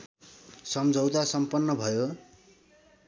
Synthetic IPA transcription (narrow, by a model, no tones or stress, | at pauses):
sʌmd͡zʱʌwt̪asʌmpʌnːʌbʱʌjo